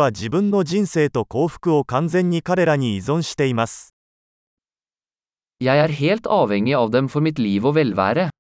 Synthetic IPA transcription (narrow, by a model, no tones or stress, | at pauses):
ad͡ʑibɯ̟̃nːo̞d͡ʑĩñse̞ːt̪o̞ko̞ːɸɯ̟̥kɯ̟o̞kãnd͡zẽ̞ɲ̟ʲːikaɾe̞ɾaɲ̟iːzõ̞ɕi̥t̪e̞imasɨ̥ | jæɪæːɾheːlt̪ɑːʋɛŋɪɑːʋd̪ɛmfɔɾmɪt̪liːʋoːʋɛlʋæ̰ːɾə